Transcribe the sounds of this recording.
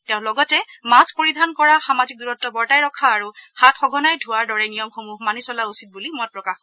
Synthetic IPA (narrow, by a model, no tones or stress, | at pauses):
tɛʊ̃lɔɡɔtɛmaspoɹidʱankɔɹaxamazik̚duɹɔtːɔbɔɹtajɹɔkʰaːɹuxatxɔɡʱɔnajdʱuaɹdɔɹɛnijɔmxomuɦmanisɔlausit̚bulimɔt̚pɹɔkax